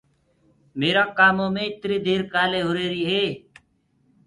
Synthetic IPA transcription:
meːɾãːkaːmõːmẽːɪt̪ɾiːd̪ʱeːɾkaːleːɦoɾeːɾiːɦeː

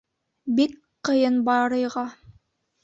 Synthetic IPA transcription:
bik | qɤ̆jɤnbɑɾɤ̆jʁɑ

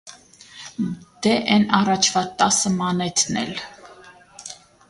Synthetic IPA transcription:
d̪̥ɛʔɛnɑrɑt͡ʃʰvɑt̪ːɑsəmɑnɛt̪ʰnɛ̰l

